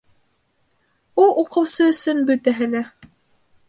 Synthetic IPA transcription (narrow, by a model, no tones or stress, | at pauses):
ulˠʔuqɤ̆wsɤɵ̆sɵnbɵ̆t̪æɦɘlæ